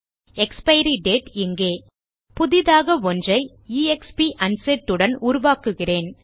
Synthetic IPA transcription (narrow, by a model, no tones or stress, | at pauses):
ɛkspɐɪɾiɖeːʈɪŋɡeː | pʊðɪðaːɣɐʋɔndrɐɪ | iːɛkspiʔɐnseʈːɯɽɐnuːɾʊʋaːkɯɣɪreːn